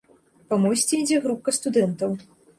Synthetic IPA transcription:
pamɔjsʲt͡sʲiid͡zʲɛɣɾup̚kɐst̪ud̪ɛnt̪ɐw

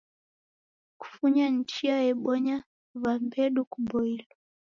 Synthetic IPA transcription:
ku̥fuɲan̩t͡ʃiajɛɓɔɲa | βambɛɗukubɔilɔ

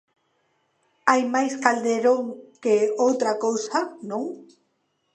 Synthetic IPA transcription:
ajmajskald̪eɾõŋkeowt̪ɾakowsanõŋ

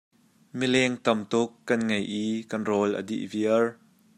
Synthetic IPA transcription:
milɛŋt̪ɐmt̪ʊkːɐnŋɐjʔiːkɐnrɔlʔə̰dḭʔviər

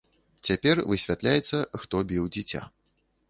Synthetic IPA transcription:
t͡sʲapʲɛrvɨsʲvʲat̪lʲajɛt̪sːɐxt̪ɔbʲiwd͡zʲit͡sʲa̰

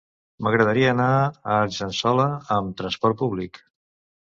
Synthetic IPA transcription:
məɣɾəðəɾiəːnaəʒənsɔləːmt̪ɾənspɔɾt̪̚puβlik

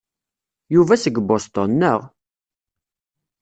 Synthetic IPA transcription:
juvæsəɡbost̪onːəʁ

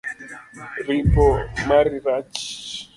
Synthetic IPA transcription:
ripɔmaɾiɾat͡ʃi̥

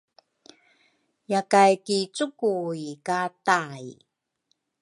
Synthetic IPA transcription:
jakajkit͡sukuikataj

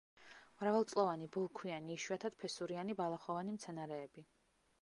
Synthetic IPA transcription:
mɾavalˠt̪sʼlˠɔvanibɔlˠkʰwianiːʃwiat̪ʰad̪̥̚pʰɛsuɾianibalˠaχɔvanimt̪sʰɛnaɾɛːbi

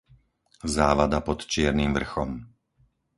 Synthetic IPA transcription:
zaːʋad̪apɔt̪t͡ʃɪɛɾnimvr̩xɔm

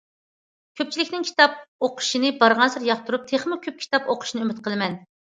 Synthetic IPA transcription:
kʲʰøp̚t͡ʃʰilɪkʲnɪŋkʲʰi̥t̪ɑp̚oqʰʊ̥ʃinɨbɑɾʁɑnsɨɾjɑχ̚t̪ʰuɾup̚t̪ʰeχmɪkʲʰøp̚kʲʰi̥t̪ɑpoqʰʊ̥ʃinɨymɪt̪qʰəlˠɨmɛn

